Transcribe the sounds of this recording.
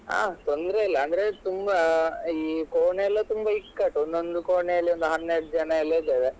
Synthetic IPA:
a̰ːt̪ond̪ɾeilːɐɐnd̪ɐɾet̪umbɐiːkoːɳejɐlːɐt̪umbɐɦikːɐʈːond̪ond̪ukoːɳeɐlːiond̪uɦɐnːeːɽd͡ʒɐnɐɐlːɐd̪ɐd̪e

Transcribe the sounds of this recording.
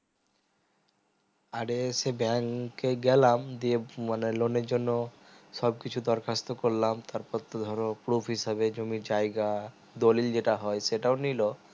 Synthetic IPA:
aɾesebɛŋkeɡɛlamd̪iemaneloneɾd͡ʑonːo | ʃɔbkit͡ɕʰud̪ɔɾkʰast̪okoɾlamt̪aɾpɔt̪od̪ʱɔɾopɾupʰɦisabed͡ʑomid͡ʑajɡa | d̪olild͡ʑeʈaɦɔeseʈaonilo

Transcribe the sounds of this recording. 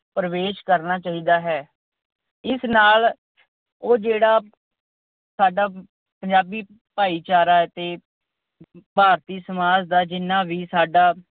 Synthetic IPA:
pɾəʋeːʃkəɾnaːt͡ʃaːɦiːd̪aːɦɛː | ɪsnaːl | oːd͡ʒeːɽaː | saːɖaː | pəɲd͡ʒaːbiː | paːiːt͡ʃaːɾaːt̪eː | paːɾt̪iːsəmaːd͡ʒd̪aːd͡ʒɪnːãːʋiːsaːɖaː

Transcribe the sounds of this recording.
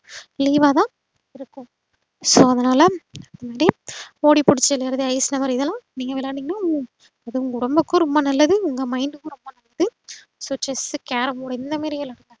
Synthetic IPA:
liːʋaːt̪ãː | ɪɾɯkːʊ̃ | soːɐðɐnaːlɐɐðɐmaːɾioːɽipʊɽɪt͡ʃːɐlɐɾɐðɯɐɪsnɐʋɐɾɪðɐlãːniːŋɡɐʋɪlaːiːŋɡɐnːaːɯ | ɐðɯʊŋɡɐʊɽɐmbɯkːɯ̃ɾɔmbanɐlːɐðɯʊŋɡɐmɐɪɳɖɯkːʊ̃ɾʊmːbɐnɐlːɐðɯ | soʈːɐskaːɾɐmoːɽɐɪnd̪ɐmaːɾɪjɐlɐɽɯt̪ːã

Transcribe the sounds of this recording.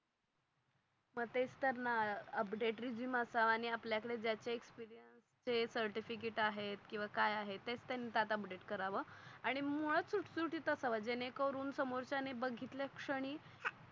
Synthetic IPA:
məɡt̪et͡st̪əɾnaəpɖeʈɾid͡ʑiːməsaaɽ̃iapljakəɽed͡ʑjat͡ɕeekspiɾijənst͡ɕesəɾʈifik̬eʈaɦet̪kĩw̃ʋakajaɦet̪ːet͡st̪janːiːt̪at̪əpɖeʈkəɾaʋəaɽ̃imoɭət͡suʈsuɾʈit̪əsaʋad͡ʑeñekəɾuːnsəmoɾt͡ɕanebəɡʱit̪ljakʂəɽ̃iː

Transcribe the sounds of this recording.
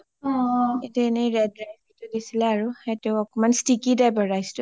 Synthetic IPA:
ɔetɛeniɹɛd̚ɹajbitʊdisilɛaɹuheteʊɔkɔmanstikidajbɔɹajstʊ

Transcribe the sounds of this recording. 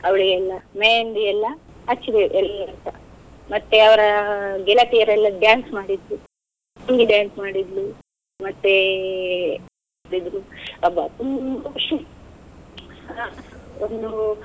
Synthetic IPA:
ɐʋɐɭiɡeɛlːɐmejnd̪iɛlːɐ | ɐt͡ʃːid̪eʔɛlːɐnt̪ɐ | mɐt̪ːeɐʋɐɾɐɡɛlɐt̪ijɐɾɛlːɐɖjaːnsmaːɽid̪ɾu | tuŋɡiɖjaːnsmaːɽid̪lu | mɐt̪ːe | ɽid̪ɾuɐbɐt̪um | ond̪u

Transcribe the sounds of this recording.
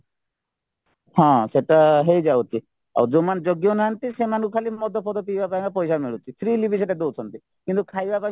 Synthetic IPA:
hãseʈaɦejd͡ʒawt̪ʰi | a̰d͡ʒomand͡ʒɔɡjonaɦant̪isemankukʰalimɔd̪ʱɔpʰɔd̪ɔpibapajŋkapɔjsamiɭut̪ʰipʰɾiːlibʱiseʈad̪ot͡sʰɔnt̪i | kint̪ukʰajbapa

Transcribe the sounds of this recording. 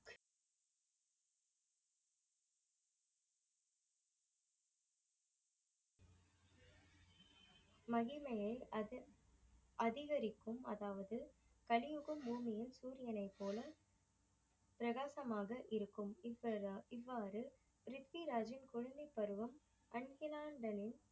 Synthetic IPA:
mɐɣɪmɐjɐɪ | ʔɐðɪɣɐɾɪkːɯmɐ̰ðaːʋɐðɯ | kɐlɪjʊɣɐmbuːmɪjɪnsuːɾɪjɐnɐɪpːoːlɐ | pɪɾɐɣaːsɐmaːɣɐʔɪɾɯkːɯmɪɪʋːaːɾɯ | ɾɪt̪ʋiɾaːd͡ʒɪnkʊɻɐnd̪ɪpːɐɾɯʋɐm | ʔɐnɡɪlaːɳɖɐnɪn

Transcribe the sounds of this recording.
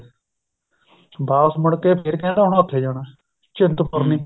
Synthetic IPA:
bʱaːsməɽkeːpʰɪɾkɛ̃ːɖaːɦʊɳət̪ʰeːd͡ʒaːɽ̃aː | t͡ʃɪnt̪pəɾniː

